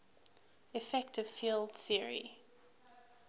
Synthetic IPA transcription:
ɪfɛktɪv̥filˠdθiəɹḭ

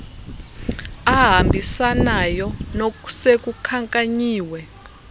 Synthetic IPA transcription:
aɦambʱisanajɔnoku̥sek̬ukʰaŋkʼaɲiːwɛ

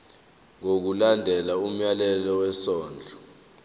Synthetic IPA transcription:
ŋok̬ulandʱɛlaum̩jalɛlɔwɛsɔːnd͡ɮʱɔ

